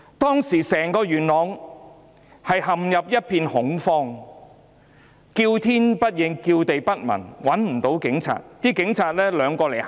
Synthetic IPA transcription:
t̪ɔː˥ŋsiː˨˩sɛː˨˩ŋkɔː˧ɥyː˨˩nlɔː˨˧ŋ | hɐ˨jhɐ˨mjɐ˨p̚jɐ˥t̚pʰiː˧nhʊ˨˥ŋfɔː˧ŋ | kiː˧wt̪ʰiː˥npɐ˥t̚jɪ˨˧ŋkiː˧wt̪e˨jpɐ˥t̚mɐ̰˨˩nwɐ˨˥nm̩˨˩t̪o˨˥wkɪ˨˥ŋt͡sʰa̰ː˨t̚t̪iː˥kɪ˨˥ŋt͡sʰaː˨t̚lɛː˥lœː˨˧ŋkɔː˧le˨˩j

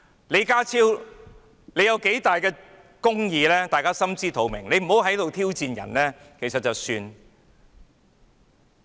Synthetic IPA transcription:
nle˨˧jkaː˥t͡sʰiː˥w | le˨˧jɐ˨˧wke˨˥jt̪aː˨jkɛː˧ | kʊ˥ŋjiː˨˧lɛː˥t̪aː˨jkaː˥sɐ˥mt͡siː˥t̪ʰo˨˧wmɪ˨˩ŋle˨˧m̩˨˩ɦo˨˥wɦɐ˨˥jt̪o˨wt̪ʰiː˥wt͡siː˨˧njɐ̰˨˩nlɛː˥ | kʰe˨˩jsɐ˨t̚t͡sɐ˨wsyː˧n

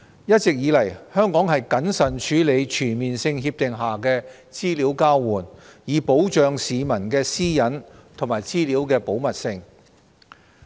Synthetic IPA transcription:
jɐ˥t̚t͡sɪ˨k̚jiː˨˧lɐ˨˩jhœː˥ŋkɔː˨˥ŋhɐ˨jkɐ˨˥nsɐ˨˩nt͡ʃʰyː˨˥le˨˧jt͡ʃʰyː˨˩nmiː˨nsɪ˧ŋɦiː˧p̚t̪ɪ˨ŋɦaː˨kɛː˧ | t͡siː˥liː˨˥wkaː˥wwuː˨˩njiː˨˧po˨˥wt͡ʃœː˨ŋsiː˨˧mɐ˨˩nkɛː˧siː˥jɐ˨˥nt̪ʰo˨˩maː˨˩jt͡siː˥liː˨˥wkɛː˧po˨˥wmɐ˨t̚sɪ˧ŋ

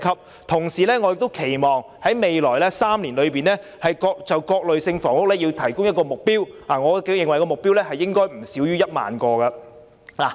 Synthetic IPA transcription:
kʰɐ˨p̚ | t̪ʰʊ˨˩ŋsiː˨˩lɛː˥ŋɔː˧jɪ˨k̚t̪o˥wkʰe˨˩jmɔː˨ŋ | hɐ˨˥jme˨˧jlɔː˨˩jlɛː˥saː˥mliː˨˩nlɵ˨˧ɥpiː˨nlɛː˥hɐ˨jkɔː˧k̚t͡sɐ˨wkɔː˧k̚lɵ˨ɥsɪ˧ŋfɔː˨˩ŋʊ˥k̚lɛː˥jiː˧wt̪ʰɐ˨˩jkʊ˥ŋjɐ˥t̚kɔː˧mʊ˨k̚piː˥w | haː˨˩ŋɔː˨˧kːjɪ˨˩ŋwɐ˨˩jkɔ˧mʊ˨k̚piː˥wlɛː˥hɐ˨jːɪ˥ŋkɔː˥jm̩˨˩siː˨˥wjyː˥jɐ˥t̚ma̰ː˨nkɔː˧ɡɐ˧ | laː˨˩

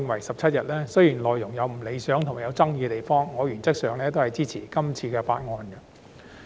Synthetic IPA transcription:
ɪ˧ŋwɐ˨˩jsɐ˨p̚t͡sʰɐ˥t̚jɐ˨t̚lɛː˥sɵ˥ɥjiː˨˩nlɔː˨˩jʊ˨˩ŋjɐ˨˧wm̩˨˩le˨˧jsœː˨˥ŋt̪ʰʊ˨˩ŋmaː˨˩jɐ˨˧wt͡sɐ˥ŋjiː˧t̪e˨jfɔː˥ŋːɔː˨˧jyː˨˩nt͡sɐ˥k̚sœː˨˧ŋlɛː˥t̪o˥whɐ˨jt͡siː˥t͡sʰiː˨˩kɐ˥mt͡sʰiː˧kɛː˧fa̰ː˧t̚ŋɔː˧nɡɐ˧

